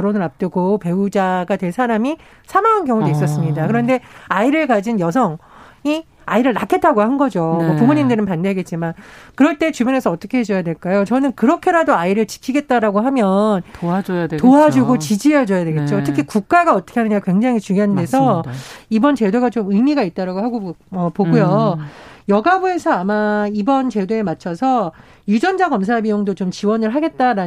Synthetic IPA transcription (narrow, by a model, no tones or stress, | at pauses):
ʌɾonɯɾap̚t͈ɯɡope̞ud͡ʑaɡadwe̞ɭsʰaɾami | sʰamaŋɦankjʌŋodeis͈ʌs͈ɯmɲidakɯɾʌnde̞aiɾɯɭkad͡ʑinjʌs̬ʰʌŋi | aiɾɯɭna̰kʰe̞t͈aɡohanɡʌd͡ʑomʌpumuɲimdɯɾɯnpandeɡe̞t̚t͡ɕ͈imankɯɾʌɭt͈e̞t͡ɕubune̞sʰʌʌt͈ʌkʰe̞ɦed͡ʑʌjade̞ɭk͈ajot͡ɕʌnɯnkɯɾʌkʰe̞ɾadoaiɾɯɭt͡ɕi̥kʰiɡe̞t̚t͈aɾaɡoɦamjʌn | toad͡ʑuɡot͡ɕid͡ʑied͡ʑʌjade̞ɡe̞t̚t͡ɕ͈otʰɯkʰikuk̚k͈aɡaʌt͈ʌ̥kʰeɦanɯɲakwe̞ŋd͡ʑaŋit͡ɕuŋjoɦande̞sʰʌibʌnt͡ɕe̞doɡat͡ɕomɯimiɡait̚t͈aɾaɡoɦaɡoʌpoɡujo | jʌɡabue̞sʰʌamaibʌnt͡ɕe̞doe̞mat͡ɕʰʌsʰʌ | jud͡ʑʌnd͡ʑaɡʌmsʰabijoŋdot͡ɕomt͡ɕiwʌnɯɭɦaɡe̞t̚t͈aɾa